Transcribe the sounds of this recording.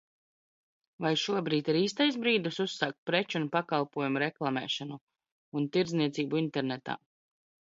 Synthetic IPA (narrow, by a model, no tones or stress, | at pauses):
vajʃuɔbɾiːt̪iɾiːs̬t̪ajsbɾiːd̪ususːaːk̚t̪̚pɾɛt͡ʃunpakalˠpuɔjumɾɛklˠamɛ̰ːʃanu | unt̪iɾd̪zniɛt̪siːbuint̪ɛɾnɛt̪a̰ː